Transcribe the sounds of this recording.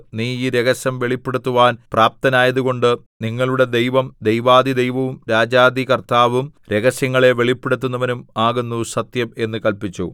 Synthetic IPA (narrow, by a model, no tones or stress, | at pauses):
niːiːɾe̞ɣɐɕjɐmʋe̞ɭipːeɽut̪ːuʋaːnpraːp̚t̪ɐnaːjɐðuɣo̞ɳɖɨ | niŋːɐɭuɽe̞d̪ejʋɐmd̪ejʋaːd̪id̪ejʋɐʋumɾaːd͡ʑaːd̪ikɐrt̪aːʋumɾe̞ɣɐɕjɐŋːɐɭe̞ʋe̞ɭipːeɽut̪ːunːɐʋɐnumaːɣunːusɐt̪jɐme̞nːɨkɐlpit͡ɕːu